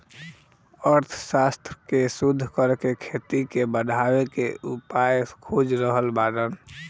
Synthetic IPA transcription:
əɾt̪ʰsast̪ɾəkesud̪ʱːkəɾkekʰet̪ikebəɖʱawekeʔupajəkʰod͡ʒɾəɦəlbaɾən

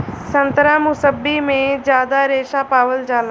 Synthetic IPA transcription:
sə̃nt̪ɾaːmʊsəbːimẽd͡ʑjaːd̪aɾeːʃapaːʋəld͡ʒaːl

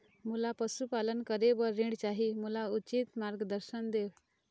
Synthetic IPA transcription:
mulapəsupalənkəɾeʋəɾːĩɽt͡ɕaɦimulaut͡ɕit̪maɾɡəd̪əɾɕənd̪ew

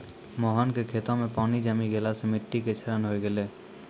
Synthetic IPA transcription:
mɔɦənkekʰeːt̪õmẽpaːnid͡ʒamiɡelasemɪʈːiket͡ʃʰəɾənɦoeɡɛleː

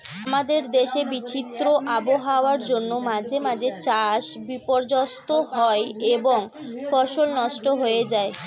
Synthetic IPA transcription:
amad̪eɾd̪eʃebit͡ɕit̪ːɾoʔaboɦaoaɾd͡ʑonːomad͡ʑʱemad͡ʑet͡ɕaʃbipoɾd͡ʑast̪oɦɔeeboŋ | fɔʃolnɔʃʈoɦoed͡ʑae

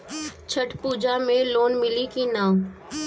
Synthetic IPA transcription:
t͡ʃʰɐʈpuːd͡ʒamẽloːnmɪlikinãːm

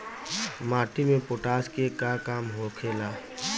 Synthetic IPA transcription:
maːʈimẽpoʈaːskekakaːmɦokʰeːlaː

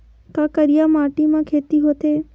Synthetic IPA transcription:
k̪akəɾijamaːʈimãkʰeːt̪iɦoːt̪e

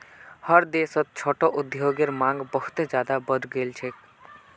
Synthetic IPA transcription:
həɾd̪esət̪̚t͡ʃʰoːʈoʔud̪joɡeɾmãŋɡbəɦu̥t̪d͡ʒjaːd̪abəd̪ɡeːlt͡ʃʰek

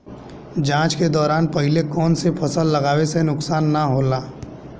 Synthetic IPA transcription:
d͡ʒãːt͡ʃked̪ɔːɾaːnpɐɦɪlekɔːnsepʰɐsəlːɐɡaːwesenʊksaːnːaɦoːlaː

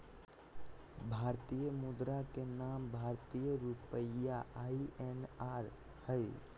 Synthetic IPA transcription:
bʱaːɾt̪ijəmud̪ɾakenambʱaːɾt̪ijəɾupəjaʔaːiʔenaːɾ | həj

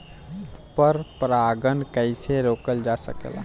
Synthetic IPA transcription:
pəɾpɾaːɡənkəɪseɾoːkəld͡ʒasə̰kla̰

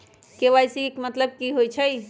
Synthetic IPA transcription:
keʋajsikmət̪ləb̚kiɦojt͡ʃʰəj

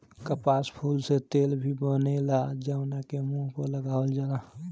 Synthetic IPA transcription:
kəpaːspʰuːlset̪eːlbʱibonelad͡ʒəwnakemũkoləɡaːəld͡ʒaːda

